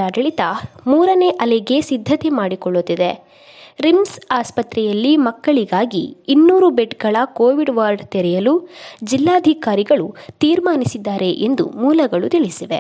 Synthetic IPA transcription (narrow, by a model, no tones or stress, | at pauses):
aɾɐɭit̪ɐmuːɾɐne̞ːʔɐlɛɡe̞sid̪ʱːɐt̪emaːɽikɔɭːot̪ːid̪e | ɾimsaːspɐt̪ɾɛjɐlːimɐkːɐɭiɡaːɡiːnːuːɾubeʈɡɐɭɐkoːʋiɖʋaːɾɖt̪ɛɾɛjɐlud͡ʒilːaːd̪ʱikaːɾiɡɐɭut̪iːɾmaːnisid̪ːaːɾe̞ʔend̪ṵmuːlɐɡɐɭut̪iɭisiʋḛ